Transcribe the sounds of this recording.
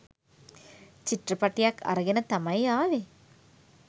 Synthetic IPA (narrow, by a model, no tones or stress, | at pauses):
t͡ʃiʈrəpaʈijakʰːa̰ɾɐɡenət̪amajaːʋe